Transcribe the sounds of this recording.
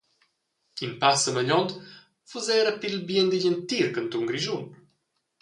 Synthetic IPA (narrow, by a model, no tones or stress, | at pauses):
kimpasəməʎɔnt̪ | fuzɛɾəpilbjɛnd̪iʎənt̪iɾkənt̪uŋɡɾiʒum